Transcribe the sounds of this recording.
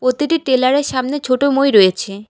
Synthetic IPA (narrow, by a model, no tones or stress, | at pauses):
pɾot̪iʈiʈelaɾeɾʃamnet͡ɕʰoʈomojɾoet͡ɕʰe